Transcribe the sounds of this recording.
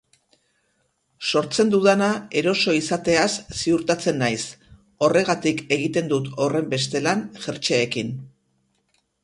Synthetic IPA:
so̞ɾt͡se̞nd̪uðanae̞ɾo̞so̞isat̪e̞asːiuɾt̪at͡se̞nːajs | o̞re̞ɣ̞at̪ike̞ɣ̞it̪e̞nd̪ut̪o̞re̞mbe̞s̬t̪e̞lanʝeɾt͡ʃeːkin

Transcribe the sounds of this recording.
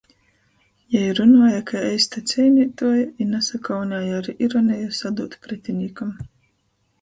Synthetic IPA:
jaiɾunuːjakʰaɛjst̪at̪sʲɛjnʲit̪uɔjinasakawnʲaːjaaɾiʔiɾɔnʲɛjasad̪uːt̪pɾɛt̪ʲinʲikam

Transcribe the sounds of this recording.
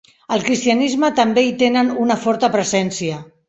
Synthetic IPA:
əlˠkɾist̪iənizmət̪əmbeit̪enənunəfɔɾt̪əpɾəzɛnsiə

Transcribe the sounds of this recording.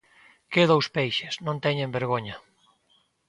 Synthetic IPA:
keðowspɛjʃeznõnt̪ɛɲẽmbeɾɣ̞oɲɐ

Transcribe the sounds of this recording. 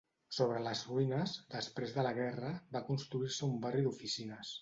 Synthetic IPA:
soβ̞ɾələzruinəzd̪əspɾezðələɣ̞ɛrəbakunst̪ɾuiɾsəumbariðufisinəs

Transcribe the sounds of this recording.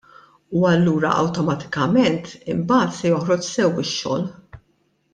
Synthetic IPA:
uɐlːuːɾɐ̰ʔɐ̰wt̪ɔmɐt̪ɪ̥kɐmɛnt̪ɪmbɐːt̪sɛjɔħɾɔt͡ʃsɛwɪʃːɔ̰ːl

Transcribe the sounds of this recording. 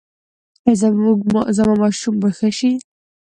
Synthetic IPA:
azauɡzamamɑʃumbaxəʃi

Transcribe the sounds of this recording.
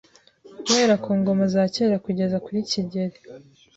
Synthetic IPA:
kuwe̞ːɾakʰuːŋɡo̞mazaːceːɾakuɟe̞zakuɾiciɟe̞ɾe

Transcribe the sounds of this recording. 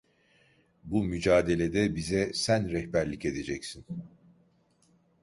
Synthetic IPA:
bumyd͡ʒaːd̪e̞lʲe̞d̪ɛbizɛsænɾɛhbæɾlʲice̞d̪e̞d͡ʒɛcsin

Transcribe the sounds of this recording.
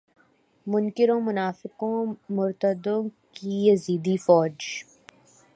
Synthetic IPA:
mʊnkɪɾõmʊnaːfɪkõmʊɾt̪əd̪õːkijəziːd̪ifɔːd͡ʒ

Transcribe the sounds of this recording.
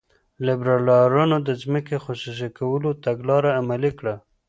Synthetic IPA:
lɪbɾɑlɑɾɑnod̪əzməkexosus̬ekawəlot̪aɡlɑɾaːmalikɽa

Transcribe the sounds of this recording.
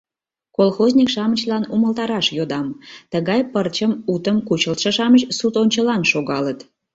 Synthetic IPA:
kolxozʲnʲikʃɑmət͡ɕlɑnuməlt̪ɑɾɑʃjod̪ɑmt̪əɣɑjpərt͡ɕəmut̪əmkut͡ɕəlt̪ʃəʃɑmət͡ɕsut̪onʲt͡ɕəlɑnʃoɣɑlət̪

